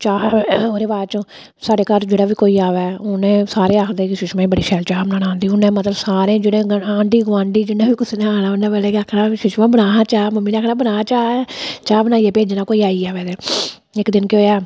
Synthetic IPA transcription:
t͡ʃaːoːɾeːbaːɾt͡ʃõː | saːɖeːkəɾd͡ʒeːɽaːʋiːkoːiːaːʋɛːʊnẽːsaːɾeːaːkʰd̪eːkɪʃɪʃmãːibəɽiːʃʰɛːlt͡ʃaːbənaːnãːnd̪iːʊnẽːmət̪ləbsaːɾẽːd͡ʒɪɽẽːɡaːɳɖiːɡʋãːɳɖiːd͡ʒɪnːãːʋiːkʊsnẽːaːnaːonẽːpɛːleːkaːkʰnaːʃʊʃmãːbənaːaːt͡ʃaːməmːiːẽaːkʰnãːbənaːt͡ʃaːt͡ʃaːbənaːiːɛːpeːd͡ʒnaːkoːiːaːiːɛːʋɛːd̪eː | ɪkd̪ɪnkoːaː

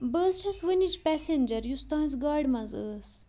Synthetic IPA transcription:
bəːzt͡ʃʰɐsʋɨnʲit͡ʃpɛsenʲd͡ʒɐɾjust̪ãːs̬ɡaːɖmɐzəːs

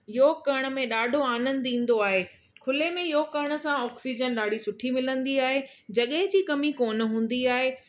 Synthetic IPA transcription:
ɪokɐɽ̃ə̆mẽɗaːɖʱoaːnə̃nd̪ĩːn̆d̪oaːɦeː | kʰʊlemẽɪjokɐɽ̃ə̆sãɔːksid͡ʑənɗaːɽ̤isʊʈʰimɪlə̃nd̪iaːɦed͡ʑɐɠəɦɪ̃d͡ʑiːkɐmikoːn̆ɦũːn̆d̪iaːɦeː

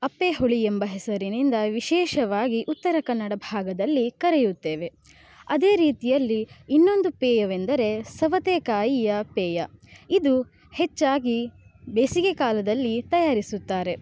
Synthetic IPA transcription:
ɐpːeɦoɭiembɐɦɛsɐɾinind̪ɐʋiʃɛːʃɐʋaːɡiʔut̪ːɐɾɐkɐnːɐɽɐbʱaːɡɐd̪ɐlːikɐɾejut̪ːeːʋe̞ | ɐd̪e̞ːɾiːt̪ijɐlːiinːo̞nd̪upeːjɐʋend̪ɐɾe̞sɐʋɐt̪eːkaːjijɐpeːjɐid̪u | het͡ʃːaːɡibeːsiɡekaːlɐd̪ɐlːit̪ɐjaːɾisut̪ːaːɾe̞

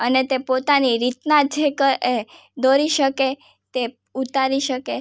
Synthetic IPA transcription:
ənet̪epot̪aniɾit̪nad͡ʒekəɾe | d̪oɾiʃəke | t̪e | ut̪aɾiʃəke

